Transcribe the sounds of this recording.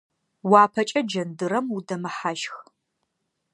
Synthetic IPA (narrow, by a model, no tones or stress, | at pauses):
waːpʰɐt͡ʃʼɐd͡ʒɐndɨɾɐmudɐmɐħaʒx